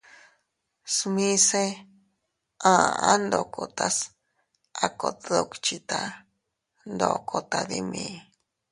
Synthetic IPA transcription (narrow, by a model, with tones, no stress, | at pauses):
smĩ˦se˦ | ã˧˨a˦nd̪o˨kʰo˨t̪a˦s | a˧ko˧˨t̪ðo˧kt͡ʃi˧t̪a˧ | nd̪o˧kʰo˧t̪a˧ði˦mĩ˧